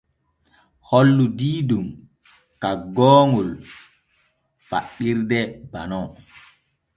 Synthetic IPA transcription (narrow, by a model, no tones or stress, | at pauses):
holːudiːdum | kaɡɔːŋul | fa̰ɗːiɾdɛbanɔ